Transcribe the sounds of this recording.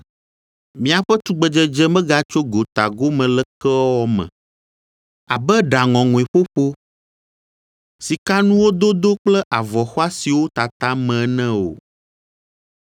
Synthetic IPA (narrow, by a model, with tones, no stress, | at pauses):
mĩ˦a˨ɸɛ˦t̪u˦ɡ͡bɛ˨d͡ʒɛ˦d͡ʒɛ˦mɛ̃˦ɡa˨t͡ʃo˦ɡo˨t̪a˨ɡo˦mɛ̃˨lɛ˦kɛ˦wɔ˦mɛ̰̃˨ | a˨bɛ˦ɖa˨ŋɔ̃˨ŋũ˨ɛ˨ɸo˦ɸo˦ | si˨ka˦nũ˦wo˦d̪o˦d̪o˦k͡plɛ˦ʔa˨vɔ˨xɔ˦a˦si˨wo˦t̪a˨t̪a˦mɛ̃˨˦nɛ̃˦o̰˨